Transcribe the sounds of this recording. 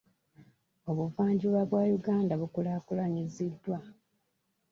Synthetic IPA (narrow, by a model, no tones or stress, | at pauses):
o̞βuvaːɲɟiβwaβwaːjuɡaːndaβukulaːkulaɲizidːwa